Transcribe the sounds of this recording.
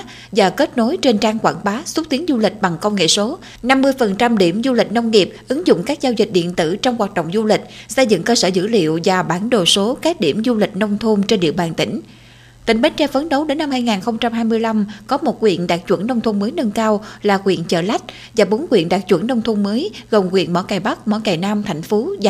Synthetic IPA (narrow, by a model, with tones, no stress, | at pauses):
zaː˨˩ke˦˥t̚no˨˦jt͡ɕe˧nt͡ɕaː˧ŋkwa̰ː˧˩nɓaː˨˦su˦˥k͡p̚t̪i˨˦ənzu˧lï˨˩k̟̚ɓa˨˩ŋkə˧wŋ͡mŋḛ˧˨so˨˦ | na˧mːɨ˧əjfə˨˩nt͡ɕa˧mɗi˧˩əmzu˧li˨˩k̟̚nə˧wŋ͡mŋi˨˩əp̚ʔɨ˨˦ŋzʊ̰˧˨ŋ͡mkaː˦˥k̚zaː˧wzï˨˩k̟̚ɗḭ˧˨ənt̪ɨ̰˧˩t͡ɕɔ˧wŋ͡mkwaː˨˩t̚ɗo̰˧˨wŋ͡mzu˧lï˨˩k̟̚sə˧jzɨ̰˧˨ŋkəː˧səː˧˩zɨ̰˧˥lḭ˧˨əwvaː˨˩ɓaː˧˩nɗo˨˩so˨˦ka˦˥k̚ɗi˧˩əmzu˧lï˨˩k̟̚nə˧wŋ͡mt̪ʰu˧mt͡ɕe˧nɗḭ˧˨əɓaː˨˩nt̪ï˧˩ŋ̟ | t̪ï˧˩ŋ̟ɓe˨˦˥t̚t͡ɕɛ˧fə˨˦nɗo˨˦wɗe˨˦nːa˧mhaː˧jŋaː˨˩nxə˧wŋ͡mt͡ɕa˧mhaː˧jmɨ˧əjla˧mkɔ˨˦mo˨˩t̚kwḭ˧˨ənɗaː˨˩k̚t͡ɕwə̰˧˩nːnə˧wŋ͡mt̪ʰu˧ŋ͡mməː˨˦jnə˧nkaː˧wlaː˨˩kwḭ˧˨ənt͡ɕə̰ː˧˩la˦˥jk̟̚ | vaː˨˩ɓo˨˦nkwḭ˧˨ənɗaː˨˩k̚t͡ɕwə˧˩nnə˧wŋ͡mt̪ʰu˧mməː˨˦jɣə˨˩wŋ͡mkwḭ˧˨ənmɔ̰˧˥kaː˨˩jɓa˦˥k̚mɔ̰˧˥kaː˨˩jnaː˧mt̪ʰa˨˧˩jŋ̟fo˨˦˨